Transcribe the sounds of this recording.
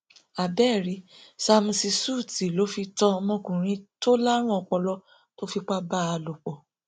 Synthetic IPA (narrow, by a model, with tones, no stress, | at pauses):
a˨bɛ˦˨ɾi˨˦sa˧m̩̃˧si˧su˦˨ti˨lo˨˦fi˧tɔ̃˦˧mɔ̃˧kũ˨ɾ̃ĩ˧˦to˦la˦ɾ̃ũ˦ɔ˧k͡pɔ˧lɔ˦ | to˦fi˧k͡pa˦ba˦˨a˧lo˨k͡pɔ˨